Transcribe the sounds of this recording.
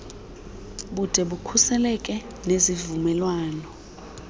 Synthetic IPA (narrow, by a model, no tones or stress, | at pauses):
ɓud̥ʱɛɓukʰusɛlɛkʼɛ | nezivumɛlwaːnɔ